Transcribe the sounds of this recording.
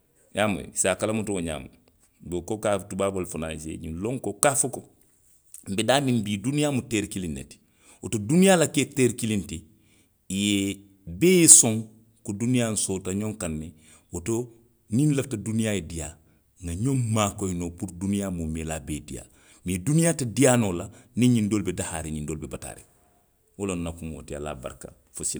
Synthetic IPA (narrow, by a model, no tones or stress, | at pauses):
jaːmo̰jḛsaːkalamutooɲa̰ːma̰ | bekokatubaːbolfuna̰ːsḛɲḭnlõŋkokaːfoko | m̩bedaːmĩmbiːdunijaːmuteɾkilinːḛti̥ | otodunijaːlaketeɾkilintiː | je | beːjesõŋ | kodunijan̩soːtaɲõŋkanːe | woto | nĩnlaftadunijaːjedija | ŋɡaɲommaːkoinopuɾdunijamumelaːbedḭja̰ | medunijaːtedijaːnolaniɲindolbedaha̰ːɾenindoːlbebata̰ɾḛ | wolonnakumo̰tia̰la̰ːba̰ɾka̰ | fosil